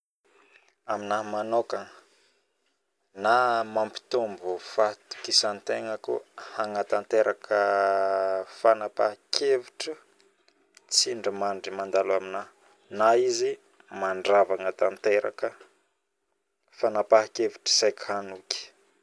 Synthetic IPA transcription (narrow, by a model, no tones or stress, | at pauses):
aminamanokaŋ | namampi̥t̪umbufat̪u̥kisant̪eŋəkṵhaŋat̪ant̪eɾʔakʰə | fanapakʰevuʈ͡ʂə | t͡siɳɖ͡ʐəmaɳɖ͡ʐimand̪alamina | naizi | maɳɖ͡ʐavaŋət̪ant̪eɾa̰kə | fanapakevuʈ͡ʂə̥sajkhanuki̥